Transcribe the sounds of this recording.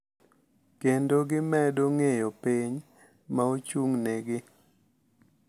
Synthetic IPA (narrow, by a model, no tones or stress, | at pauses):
kendoɡɪmɛdoŋejopiɲ | maot͡ʃuŋneɡɪ